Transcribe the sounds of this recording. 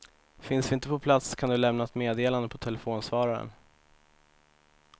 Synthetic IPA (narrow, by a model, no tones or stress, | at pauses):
fɪnsvɪɪnt̪əpɔpʰlat̪skʰand̪ɵlɛmnaɛt̪meːd̪eːland̪əpʰɔt̪ʰɛlɛfoːnsvɑːɾaɾə̰n